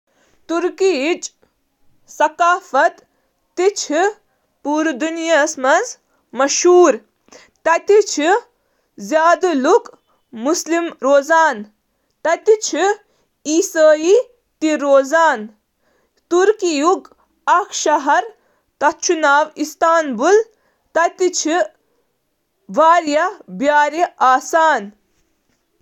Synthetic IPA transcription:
t̪uɾkit͡ʃ | sɐkaːfɐt̪ː | it͡ʃʰi | puːɾd̪unjasmɐnz | mɐʃɦuːɾ | t̪ɐt̪it͡ʃʰi | zjaːd̪luk | muslimɾoːzaːn | t̪ɐt̪it͡ʃʰi | iːsəːji | t̪iɾoːzaːn | t̪uɾkijuɡ | ɐkʰʃɐɦɐɾ | t̪ɐt͡ʃʰunaːʋist̪aːnbul | t̪ɐt̪it͡ʃʰi | ʋaːɾjɐbjaːɾiaːsaːn

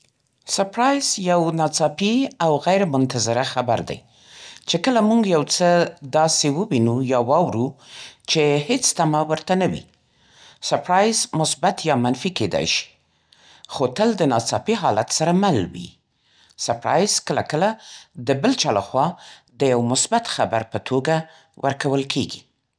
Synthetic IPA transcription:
saɾpɾɑjz̥jawnɑt͡sɑpiawɣajɾmʊnt̪azɪɾaxaba̰ɾd̪a̰j | t͡ʃekəlamuɡjawt͡səd̪ɑsewəwinujɑwɑwɾut͡ʃehet͡st̪amawəɾt̪anawḭ | saɾpɾɑjzmʊsbat̪jɑmanfiked̪ɑ̰jʃi̥ | xot̪əld̪ənɑt͡sɑpiɦɑlat̪saɾamalwḭ | saɾpɾɑ̰jz̥kəlakəlad̪əbəlt͡ʃɑlaxwɑd̪əjawmʊsbat̪xabaɾpət̪ʰoɡa | wʔə̰ɾkawəlkʰeɡi

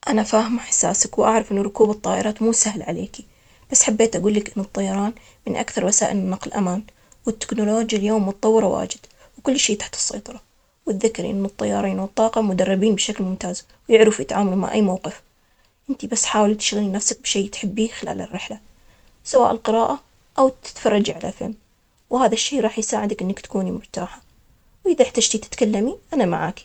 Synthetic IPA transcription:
ʔanafaːhɪmaħḁsːaːsakwʔaʕɾˤɑfʔɪnːʊɾˤʊkuːbɨt̪ˤːɑːʔɪɾˤɑːt̪muːsahlʕalḛːki | b̥asːħabːeːt̪ʔaɡuːlːɪkʔɪnːɨt̪ˤːɑjɑɾˤɑːn | mɪnʔa̰kθɑɾˤwasaːʔɪlɪnːɑqlʔa̰maːn | wɪt̪ːɪ̥knʊloːd͡ʒjaljoːmːʊt̪ɑt̪ˤɑwːɨɾˤwa̰ːd͡ʒɪd̪̥ | wkʊlːʃeːt̪ḁħt̪ɨ̥sˤːɑ̰jt̪ˤɑɾˤɑ | wɪt̪ðɪkːɪɾʔɪ̰nːɨt̪ˤːɑjːɑ̰ːɾˤiːnwɨt̪ˤːɑːqɑmʊd̪ɑrˤːɑbiːnbʃaklmʊmt̪aːz | wjɪʕɾɪfjɪt̪ʕaːmaluma̰ʕʔa̰jːmawqɪf | ʔɪnt̪ibasːħaːwlt̪ɪ̥ʃɣalinafsak̚bʃeːt̪ħɪbːiːxɪla̰ːlɪ̰rːɪħla | sawa̰ːʔɪlqɨɾɑːʔa | ʔawt̪ɪ̥t̪fɑrˤːɑd͡ʒiʕala̰fɪ̰lm | whaːðaʃːeːɾˤɑːħjsaːʕɪd̪akʔɪnːakt̪ḁkuːnimʊɾt̪aːħa | wʔɪðaħt̪ad͡ʒt̪it̪ɪ̥t̪kalːamiʔanama̰ʕa̰ːki̥

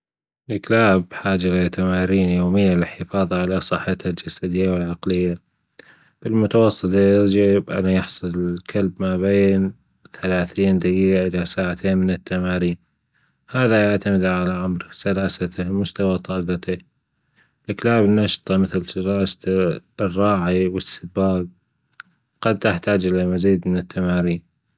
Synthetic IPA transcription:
lʔɪklaːbħaːd͡ʒɪɾat̪amaːɾiːnjoːmɪjːalɪħɪfɑːðˤɑʕalasˤɨħːat̪hald͡ʒasad̪ɪjːawɪlʕɑqlɪjːa | b̥ɪlmʊt̪ɑwɑsˤːɨt̪ajɪɾd͡ʒabʔa̰najɪħsˤɨlɪlkʰalbmabeːn | θalaːθiːnd̪ajiːɡaʔɪlasaːʕat̪ʰeːnmɪnɪt̪ːamaːɾiːn | haːðajaʕt̪amɪd̪ʕalaʕamɾsalaːsat̪amʊst̪awat̪ˤɑːɡɑt̪a | lɪklaːbɪnːɑʃt̪ˤɑmɪθlsɾaːs | rˤːɑːʕiwɪsːɪbaːɡ̚ | qɑd̪̚t̪ɪħt̪aːd͡ʒʔɪlamaziːd̪mɪnɪt̪ːamaːɾiːn

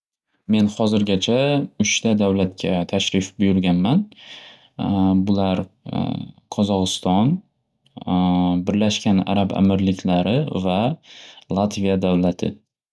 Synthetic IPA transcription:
me̞nhɒzɪɾɡʲat͡ʃʰaʊʃt̪ʰad̪awlat̪̚kʲʰat̪ʰaʃɾɪfbʊjʊɾɡʲanman | bʊlaɾ | qʰɒzɒʁɨst̪ɒn | bɪɾlaʃkʲana̰ɾaba̰mɪɾlɪkʲʰlaɾɪva | lˠat̪vijad̪awlat̪ʰɪ̰

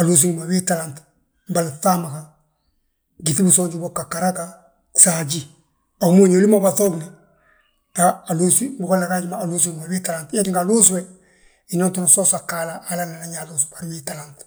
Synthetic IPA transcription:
alos̬iŋmawitalant | mbalfaːmakaŋ | ɡitibusoːɲd͡ʒubokːakaɾaka | saɟi | okmoɲolimabaθobina | taaloːsibukolːakaɟimaːluːsuŋmawitalantjatiŋkaluːswe | inontonasosakːaːlaʔːlanalaɲalos̬ubaɾwitalant

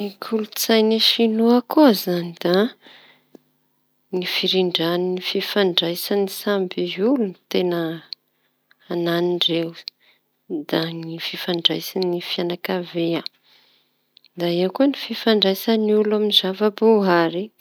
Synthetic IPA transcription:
ikʰulut͡sajniʃinuakuzanid̪̥a | nifiɾiɳɖ͡ʐaninififaɳɖ͡ʐajsanisambiulunit̪enə | naniɳɖ͡ʐew | d̪anififaɳɖ͡ʐajsinifianakavea | d̪aewkuənififaɳɖ͡ʐajsaniulaminizavaboaɾi

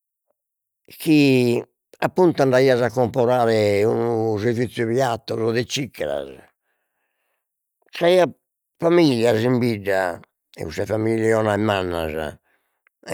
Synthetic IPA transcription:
kʰi | apːunt̪uand̪aiːazakːɔmpɔɾaːɾɛunuzeɾvit̪sːjuβiat̪ːɔzɔðɛt͡ʃikːɛɾa̰z | t̪ɾaiːa | famiʎːazimbiɖːa̰ | ɛ̰usɛfamiʎːɛɔnaɛmanːa̰za̰

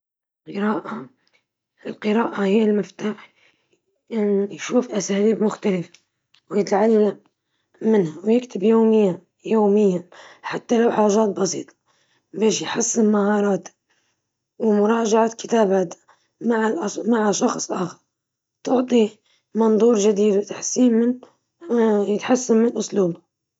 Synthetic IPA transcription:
qɨɾaːʔa | ɪlqɨɾaːʔahɪjːɪlmɪft̪aːħ | ʔɪnjʃuːfʔasaːliːbmʊxt̪alɪfa | wjɪt̪ʕalːamː | ɪnhawjɪkt̪ɪbjoːmɪjːa | joːmɪjːaħat̪ːalawħaːʒaːt̪̚bɑsḭːt̪ˤɑ̥ | beːʃjħasːɪmmahɑːɾˤɑːt̪ | wɪmʊɾˤɑːʒaʕakɪ̥t̪aːbaːt̪ | maʕlʔmaʕaʃɑxsˤʔɑːxɑɾˤ | t̪ʊʕt̪ˤi | mɑnd̪ˤuːɾˤʒad̪iːd̪wɪt̪ḁħsːiːnmɪn | jɪt̪ħasːammɪnʔʊsˤluːb

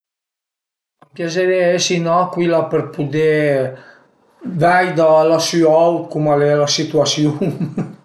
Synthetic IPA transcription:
pjazeɾeɛsinɔkwilapəɾpud̪ɛ | vɛjd̪alasyawt̪kumalɛlasit̪uasjuŋ

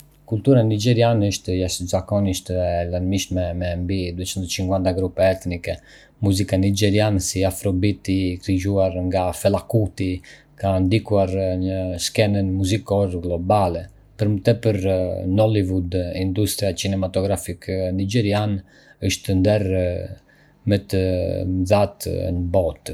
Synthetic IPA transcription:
kult̪uɾanid͡ʒɛɾianəʃt̪jaʃzakɔniʃt̪laɾmiʃmɛmɛmbid̪uɛt͡ʃənd̪ət͡ʃiŋɡwand̪aɡɾupɛɛt̪nikɛ | muzikanid͡ʒɛɾiansiafɾɔbit̪ikɾid͡ʒuaɾŋɡafɛlakut̪i | kand̪ikuaɾɲəskɛnənmuzikɔɾɡlɔbalɛ | pəɾmət̪ɛpəɾnɔlivud̪ind̪ust̪ɾiat͡ʃinɛmat̪ɔɡɾafiknid͡ʒɛɾian | əʃt̪ənd̪ɛɾ | mɛt̪əðat̪nəbɔt̪

